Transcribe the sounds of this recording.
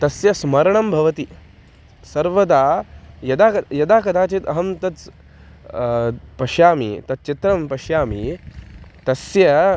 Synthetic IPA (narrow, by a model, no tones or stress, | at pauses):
t̪ɐsjɐsmɐɾɐɳɐmbʱɐʋɐt̪i | sɐɾʋɐd̪aːjɐd̪aːkɐjɐd̪aːkɐd̪ʰʱaːt͡ʃit̪ɐɦɐmt̪ɐt͡s | pɐʃjaːmḭt̪ɐt̪̚t͡ʃit̪ɾɐmpɐʃjaːmi | t̪ɐsjɐ